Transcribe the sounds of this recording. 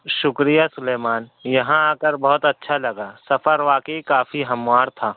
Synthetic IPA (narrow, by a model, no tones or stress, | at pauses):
ʃʊkɾijasʊleːmaːnjɐɦãaːkəɾbɐɦʊt̪ɐtːʃʰalɐɡaːsɐfʰəɾʋaːkeikaːfʰiɦɐmʋaːɾt̪ʰaː